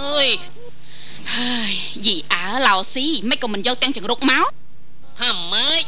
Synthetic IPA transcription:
ʔəːj | həːj | jiːʔaəlaɔsiːmɛc̚kːɔːmɨnjɔːk̚t̪ɛ̆əŋt͡ɕɛəŋruk̚maɔ | t̪ʰamːəː

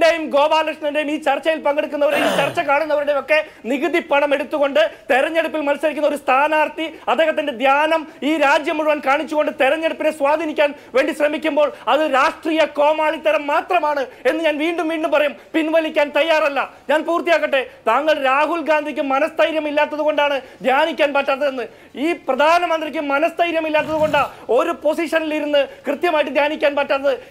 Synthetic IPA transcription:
ɖejumɡo̞ːbaːlɐkʂɳɐnde̞jumiːt͡ɕɐrt͡ɕːɐjilpɐŋɡeɽuk̬ːunːɐʋɐɾeit͡ɕɐrt͡ɕːɐkaːɳunːɐʋɐɾuɽe̞jo̞kːe̞niɣɨðipːɐɳɐme̞ɽut̪ːuɣo̞ɳɖɨt̪eɾɐɲːe̞ɽupːilmɐnɐslɐɾikʲːunːɐo̞ɾust̪ʰaːnaːrt̪iɐd̪eːɦɐt̪ːinde̞d̪ʱjaːnɐmiːɾaːd͡ʑjɐmːuɻuʋaːnkaːɳit͡ɕːuɣo̞ɳɖɨt̪eɾɐɲːe̞ɽupːinesʋaːd̪ʱinikʲːaːnʋe̞ːɳɖiɕrɐmikʲːumbo̞ːɭɐðɨɾaːʂʈriːjɐko̞ːmaːɭit̪ːɐɾɐmːaːt̪rɐmaːɳɨe̞nːɨɲaːnʋiːɳɖumʋiːɳɖumpɐrɐjumpinʋɐlikʲːaːnt̪ɐjːaːrɐlːɐɲaːnpuːrt̪ːijaːkːɐʈːe̞t̪aːŋːɐɭɾaːɦulɡaːnd̪ʱikʲːɨmɐnɐst̪ɐjɾjɐmilːaːt̪ːɐðuɣo̞ɳɖaːɳɨd̪ʱjaːnikʲːaːnpɐʈːɐnɐðenːɨ | iːprɐd̪ʱaːnɐmɐnd̪rikʲːɨmɐnɐst̪ɐjɾjɐmilːaːt̪ːɐðuɣo̞ɳɖaːo̞ɾupo̞siʂɐniliɾunːɨkrɨt̪jɐmaːjiʈːɨd̪ʱjaːnikʲːaːnpɐʈːanːɐðɨ

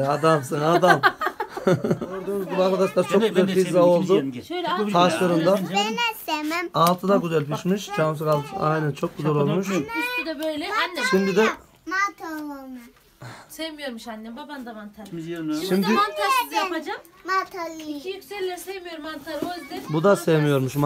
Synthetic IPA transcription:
ad̪amsɯnad̪am | oɾd̪uːnuzbibak̪ad̪aʃlˠaɾt͡ʃʰoɡyzɛlfizːao̞lˠd̪u | t̪ʰaʃlˠaɾɯnd̪anɛsemæmalˠt̪ʰɯd̪aɡyzælʲpiʃmiʃt͡ʃʰas̬ɯkalˠajnɛnt͡ʃʰo̞k̚ɡuzɛlʲolˠmuʃst̪ʰyd̪ɛbøjlʲɛanːʃimd̪id̪ɛ | mat̪ʰaoma | sevmijoɾmuʃanːɛbaband̪amant̪ʰaɾʃimd̪ɪant̪ʰajapad͡ʒam | mat̪ʰaliijykseɾlʲɛsevmijo̞ɾumant̪ʰaɾozd̪ɪbud̪asevmijo̞ɾmuʃm

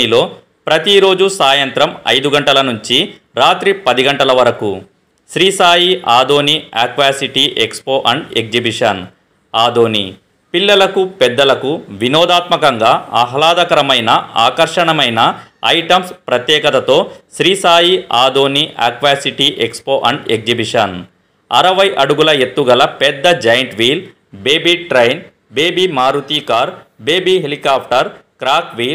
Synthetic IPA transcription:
ilo̞ː | pɾɐt̪iɾo̞ːd͡ʒusaːjɐnt̪ɾɐmɐ̰jd̪uɡɐɳʈɐlɐnuɲt͡ʃi | ɾaːt̪ɾipɐd̪iɡɐɳʈɐlɐʋɐɾɐku | ʃɾiːsaːjiaːd̪o̞ːniaːkʋaːsiʈiʔekspo̞ːʔɐɳɖek̚d͡ʒibiʂɐn | aːd̪oːnḭ | pilːɐlɐkupɛd̪ːɐlɐkuʋinɔːd̪aːt̪mɐkɐŋɡaːɐɦɐlaːd̪ɐkɐɾɐmɐjnɐa̰ːkɐɾʂɐɳɐmɐjnɐɐ̰jʈɐmspɾɐt̪jɛːkɐt̪ɐt̪o̞ːʃɾiːsaːjiaːd̪oːniʔa̰ːkʋaːsiʈiʔekspoːʔɐɳɖek̚d͡ʒibiʂɐn | ɐ̰ɾɐʋɐjʔɐɽuɡulɐe̞t̪ːuɡɐlɐpɛd̪ːɐd͡ʒɐjɐɳʈʋiːl | beːbiʈɾɐjn | beːbimaːɾut̪iːkaːɾbeːbiɦelikaːpʰʈɐɾkɾaːkʋiːl

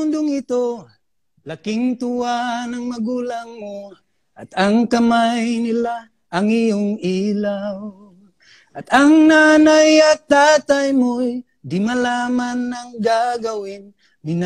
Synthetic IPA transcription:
ʊnd̪ʊŋɪt̪o | lakɪŋt̪uwanaŋmaɡulaŋmo | ʔa̰t̪aŋkamajnɪla | ʔːŋijʊŋilaw | ʔat̪aŋnanajat̪ːat̪ajmʊj | d̪ɪmalamanːaŋɡaɡawɪn | mɪn

